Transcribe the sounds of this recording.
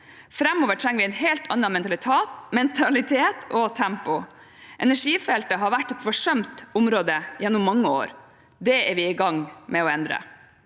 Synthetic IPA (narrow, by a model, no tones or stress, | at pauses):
fɾɛmoːʋəʈʰɾɛŋəʋɪɛnɦɛːlt̪ʰɑnːɑmɛnt̪ɑlɪt̪ʰeːt̪mɛnt̪ʰɑlɪt̪ʰeːt̪ʰɔt̪ʰæmpʊ | ʔɛnæʂiːfɛlt̪əɦɑɾʋæʈːɛt̪fɔʂœmt̪ʊmɾoːd̪əjɛnːʊmːɑŋːəo̰ːɾ | d̪ɛæɾʋɪɪɡɑŋmɛɔɛnd̪ɾə̰